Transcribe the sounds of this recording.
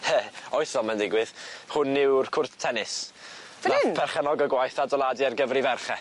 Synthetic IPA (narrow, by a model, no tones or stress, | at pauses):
hɛɔjθvɔlˠmandɪɡwɨðhʊnːɪwrkʰʊrθtʰɛnɪs | apʰɛrχɛnɔɡəɡwajθadɔlˠadɨarɡəvrivɛrχɛ